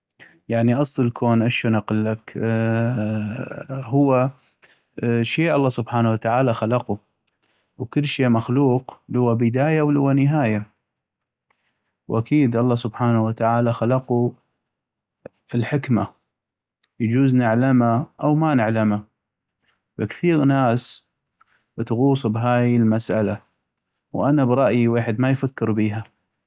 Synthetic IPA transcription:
jaʕniʔɑsˤlɨlkʰoːnʔaʃonaqəlːak | ɦʊwːa | ʃeːʔɑlˤːɑːsʊbħaːnawat̪aʕaːlaxalɑqu | wkəlːʃeːmaxluːqlʊwːabɪd̪aːjawlʊwːanɪɦaːja | wʔakiːd̪ʔɑlˤːɑːsʊbħaːnawat̪aʕaːlaxalɑqu | ɪlħɪkma | jad͡ʒuːznaʕlamaʔawmanɪʕlama | bɪkθiːɣnaːs | bɪt̪ɣuːsˤbɦaːjlmasʔala | wʔanabɾˤɑʔjiweːħɪd̪majfakːɪɾbiːɦa

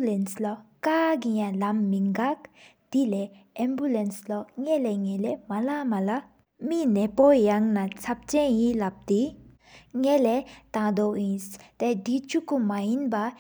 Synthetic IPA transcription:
lenslɔkaɡijãlamːiŋɡak | d̪̥ilɛ | ɛmbulenslɔŋelɛŋɛlɛmalamala | minepɔjaŋnat͡sʰap̚t͡ʃẽjĩlap̚d̪i | ŋelet̪ãd̪ɔĩst̪ɛdit͡ʃukumainba

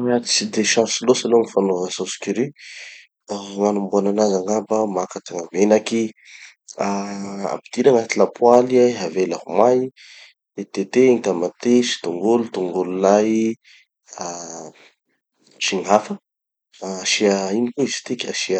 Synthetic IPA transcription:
mat̪i̥sid̪eʃãsilosaloŋifanoasosi̥kʲiɾi | ŋanumbuananazaŋabamakat̪aŋavenaki | aa̰pi̥d̪̥iɾaŋat̪ilapʰwaliaɦavelahumaj | d̪et̪et̪eeŋit̪amat̪esi̥t̪uŋɡulut̪uŋɡululaj | a | t͡ʃiŋɦafə | aʃiainikuizi̥t̪ikʲa̰ʃia

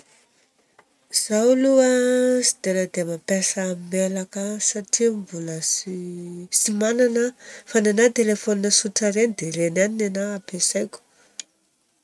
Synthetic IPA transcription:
z̥awluasi̥t̪enəd̪eəmapjasəːmimalakəsaʈ͡ʂimbuləisimananəfananat̪elefoninəsuʈ͡ʂaɾenid̪eɾenaninenaapesajkʲu̥

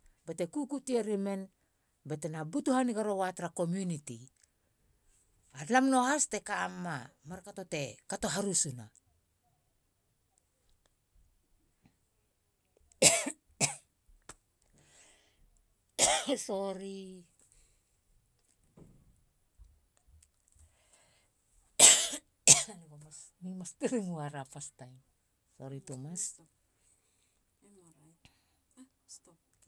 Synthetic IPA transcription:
bete̞kukutieɾime̞n | betenabutuhaniɡaɾo̞watɾako̞mjunitḭ | alamno̞haste̞kaːmːamaɾkato̞te̞katoɦaɾusuna̰ | soɾi | anikomasnimasteɾiŋuaɾapastajm | soɾitomas

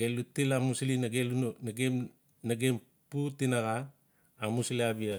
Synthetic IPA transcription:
ɡelutilamuslinaɡelunonaɡem | naɡem | putinaɡaː | musiliaβia

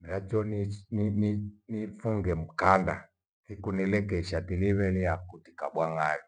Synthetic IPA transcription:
ɾat͡ʃɔninininifuŋɡɛm̩kanda̰ | sikunilɛkɛʃatiliβɛliakutikaɓwaŋajɔ

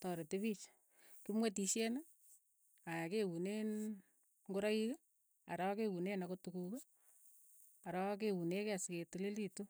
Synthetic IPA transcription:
tɔɾeteβit͡ʃ | kimwet̬iʃena | akewunen | ŋɡʊɾaika | aɾɔkewunenakotukuka | aɾɔk̬ewunekɛsketulelitu

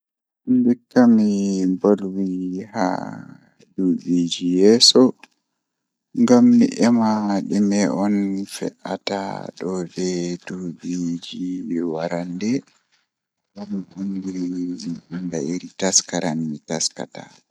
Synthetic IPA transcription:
ʔindikːamimbolwiha̰ | duɓid͡ʒijɛsɔ | ŋɡamnḭʔɛmaɗɛmɛʔɔnfɛ̰ʔa̰ta̰ɗɔdɛdubid͡ʒiwaɾandɛ | ɡamiɓundiɓundaiɾitaskaɾanmitaska̰ta̰

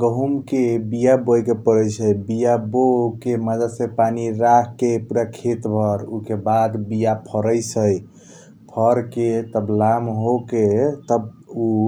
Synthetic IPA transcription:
ɡəɦumkebijabojkepəɾəjsəjbijabokeməd͡ʒasepaniɾakkepuɾakʰet̪bʱəɾukebad̪bijapʰəɾəsəj | pʰəɾket̪əblamɦoket̪əbu

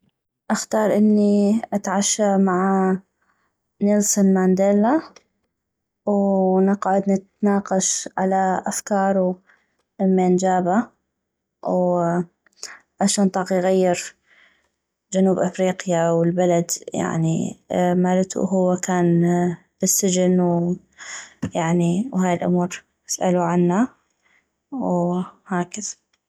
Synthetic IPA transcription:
ʔaxt̪ɑːɾˤʔɪnːiʔat̪ʕaʃːamaʕa | nɪlsˤɨnmand̪eːlːa | wnɑqʕʊd̪nɪt̪nɑːqɑʃʕa̰laʔafkɑːɾˤu | meːnd͡ʒaːba | w | ʕaʃaːnt̪ˤɑːqjɣajːɪɾ | d͡ʒanuːbʔafɾiːqjawɪlbalad̪ja̰ʕnḭmaːlt̪ʰṵɦʊwːakaːn | bɪsːɪd͡ʒnw | jaʕniwɦaːjɪlʔʊ̰muːɾ | ʔasʔa̰luʕanːa | whaːkɪða

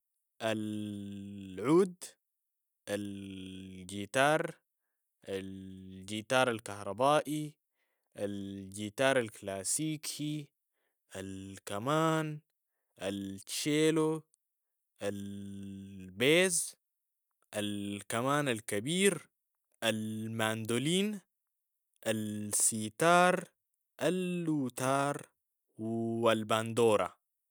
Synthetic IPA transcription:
ʔal | ʕuːd̪ | ʔal | ɡiːt̪ɑːɾˤ | ʔald͡ʒiːt̪ɑːɾˤalkahɾˤɑbaːʔi | ʔalɡiːt̪ɑːɾˤalklaːsiːkʰi | ʔalkamaːn | ʔalʃeːlo | ʔal | beːz | ʔalkamaːnalkabiːɾ | ʔalmaːnd̪oliːn | ʔalsiːt̪aːɾˤ | ʔaluːt̪aːɾˤ | walband̪oːɾˤa̰

